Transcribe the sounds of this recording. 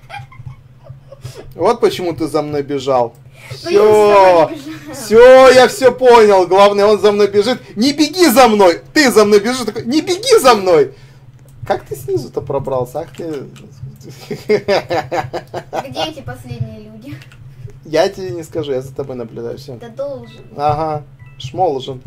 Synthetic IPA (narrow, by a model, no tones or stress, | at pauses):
vo̞t̪̚pət͡ɕɪmut̪ɨzɐmno̞jbʲɪʐalˠ | fsʲo | fsʲojafsʲɵpo̞nʲɪlˠɡlˠavnəjəo̞nzɐmno̞jbʲɪʐɨt̪nʲɪbʲɪɡʲizɐmno̞jt̪ɨzɐmno̞jbʲɪʐɨt̪ɐkojnʲɪbʲɪɡʲizɐmno̞j | kakt̪ɨsʲnʲizʊt̪əpɾɐbɾalˠsʲəakt̪ɪ | ɡʲpɐsʲlʲedʲnʲɪjəlʲudʲɪ | jatʲɪbʲenʲɪskɐʐujazət̪ɐbo̞jnəblʲʉd̪a̰jʊ̰fsʲod̪olˠɐɦa | ʂmo̞lˠʐɨn